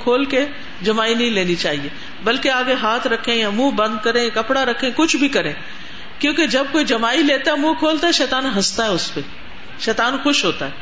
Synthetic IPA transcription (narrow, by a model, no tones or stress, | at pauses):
kʰoːlke | d͡ʒɐmaːinɐɦĩleːnit͡ʃaːɦieː | bɐlkeaːɡeɦaːt̪ʰɾɐkʰẽãmũːbɐ̃nd̪kɐɾẽkɐpɽaɾɐkʰẽkʊt͡ʃʰbʱikɐɾẽː | kjõːked͡ʒɐb̚koːid͡ʒɐmaːileːt̪aɦɛmũkʰoːlt̪aɦɛʃɛːt̪aːnɦɐst̪aɦɛʊspe | ʃɛːt̪aːnxʊʃɦoːt̪aɦɛː